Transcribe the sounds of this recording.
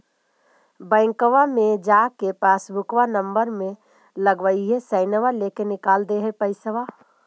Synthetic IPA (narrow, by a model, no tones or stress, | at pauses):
bə̃ɪŋkəʋamẽd͡ʒaːkepaːsbʊkʋanə̃mbəɾmẽ | ləɡʋəiɦɛsəɪnəʋaleːkenɪkaːld̪eɦɛpəɪsəʋa